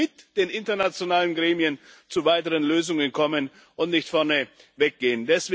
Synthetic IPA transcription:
ɪtd̥eːnʔɪntɐnat͡sjonaːlənɡʁeːmiənt͡suvaɪtəʁənløːzʊŋənkʰɔmən | ʔʊntnɪçtfɛɐnə | vɛk̚ɡ̥eːəndɛsv̥

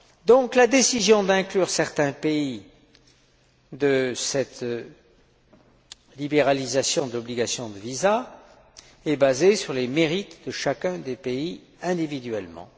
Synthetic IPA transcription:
d̪ɔ̃klad̪esizjɔ̃d̪ɛ̃klyʁsɛʁt̪ɛ̃pei | d̪əsɛt̪ | libeʁalizasjɔ̃d̪lɔbliɡasjɔ̃d̪əviza | ɛbazesyʁlemeʁit̪d̪əʃakʲɛ̃d̪epei | ɛ̃d̪ivid̪ɥɛlmɑ̰̃

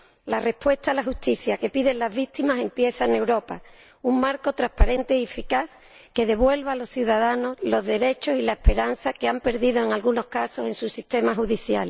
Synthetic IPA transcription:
lare̞pwest̪alaxust̪iθjake̞piðe̞nlazβit̪imase̞mpje̞θane̞wɾo̞pa | uŋmaɾko̞t̪ɾahpaɾẽ̞nt̪e̞iefikaθ | ke̞ðe̞βwe̞lβaːlo̞sθjuðaðano̞zlo̞zðe̞ɾe̞t͡ʃo̞silaehpe̞ɾanθake̞ampe̞ɾðiðo̞eŋalɣuno̞hkaso̞se̞nsusiht̪e̞maxuðiθja̰l

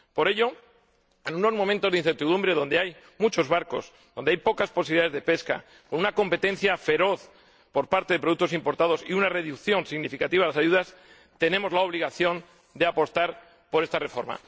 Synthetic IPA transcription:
po̞ɾe̞ʎo̞ | enuno̞zmomẽnt̪oðinθeɾt̪iðumbɾe̞ðo̞nd̪eaj | mut͡ʃo̞zβaɾko̞̰z | ðo̞nd̪eajpo̞kasposiβiliðaðezðe̞pe̞ska̰ | ko̞nunako̞mpe̞t̪e̞nθjafe̞ɾo̞θ | po̞ɾpaɾt̪e̞ðe̞p̬ɾouk̚t̪oimpo̞ɾt̪að̞o̞siunare̞ðukθjo̞nsiɣnifikat̪iβ̞alasaʝuðas | t̪e̞nẽ̞mo̞zlaoβliɣ̞aθjo̞n | d̪eapo̞st̪aɾ | po̞ɾest̪are̞fo̞ɾma̰

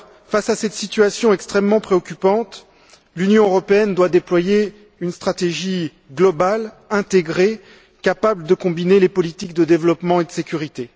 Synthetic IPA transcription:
fasasɛt̪sit̪yasjɔ̃ɛkst̪χɛmːɑ̃pχeɔkʲypɑ̃t̪ | lynjɔ̃øʁɔpeɛnd̪wad̪eplwaje | ynst̪χat̪eʒi | ɡlɔbal | ɛ̃t̪eɡʁe | kapabləd̪əkɔ̃binelepɔlit̪ik̚d̪əd̪evlɔpmɑ̃ed̪əsekʲyʁit̪e

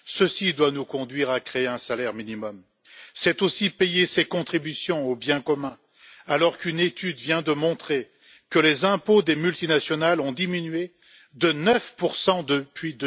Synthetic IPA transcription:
səsid̪wanukɔ̃d̪ɥiʁakχeeɛ̃salɛʁminimɔm | sɛt̪osipejesekɔ̃t̪χibysjɔ̃objɛ̃kɔmɛ̃ | alɔʁkynet̪ʰyd̪vjɛ̃d̪əmɔ̃t̪χe | kəlezɛ̃pod̪emylt̪inasjɔnalɔ̃d̪iminɥe | d̪ənœfpuʁsɑ̃d̪əpɥid̪ə

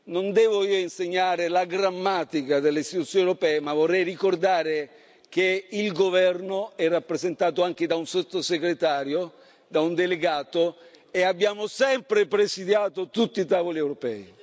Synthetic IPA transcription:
nond̪ɛːvoiːoinseɲːaːɾelaɡɾamːaːt̪ikad̪elːeist̪it̪ut̪sːjoːnewɾopɛːemavːorːɛjrikord̪aːɾe | keilɡovɛrnoɛrːapːɾezent̪aːt̪̬oaŋk̟ed̪aunsot̪ːoseɡɾet̪aːɾjo | d̪aund̪eleɡaːt̪o | eabːjaːmosɛmpɾepɾesid̪jaːt̪ot̪ut̪ːiːt̪aːvoliɛwɾopɛ̰ːi

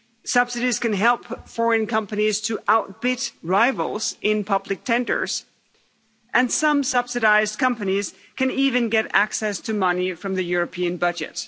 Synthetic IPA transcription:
sʌb̥sɨɾiz̥kɨ̃nɦɛlˠpfɔɹɨ̃nkʰʌ̃mpɨniz̥tʰɨʔaʊt̚b̥ɪtɹaɪvl̩ˠz̥ɪ̃npʰʌblɨk̚tʰɛ̃ndə̰˞z̥ | ʔɨ̃nsʌ̃msʌb̥sɨɾaɪzkʰʌ̃mpɨniz̥ | kʰɨ̃nivɨ̃nɡɛɾæ̰ksɛstʰɨmʌnifɹʌ̃mðɨjʊɹɨpʰiɨ̃nbʌd͡ʒɨ̰t̚

